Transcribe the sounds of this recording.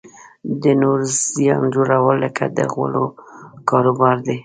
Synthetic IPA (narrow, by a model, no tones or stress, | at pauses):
d̪ənoɾzjɑnd͡ʒoɾawəlːəka̰d̪ə̰ɣwə̰lokɑɾobɑɾd̪e